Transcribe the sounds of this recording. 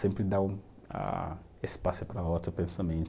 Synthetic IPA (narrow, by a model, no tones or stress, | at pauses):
sẽmpɾɪd̪aw | a̰ | espasʊpɾɐot̪ɾʊpẽsamẽnt̪